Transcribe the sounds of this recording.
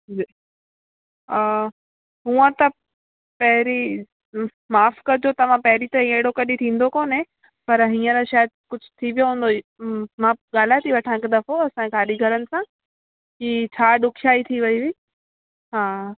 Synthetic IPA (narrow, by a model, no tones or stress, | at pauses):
d͡ʑiː | ɦuːə̃t̪ɐ | pɐɦɪɾi | maːfkɐɾd͡ʑot̪ɐʋ̤ãpɐɦɪɾit̪ɐɦĩeɦɪɽokɐɗit̪ʰĩːn̆d̪okoːnẽ | pɐɾɦĩːə̃ɾaʃaːjəd̪̚kʊd͡ʑʱʊ̥t̪ʰiʋjoɦũːn̆d̪omãɠaːl̤at̪ʰiʋɐʈʰãɪkd̪ɐfoɐsãɡaːɗiɡʱɐɾənɪ̆sã | kit͡ɕʰaːɗʊkʰjaːit̪ʰiʋɐiʋi | ɦaː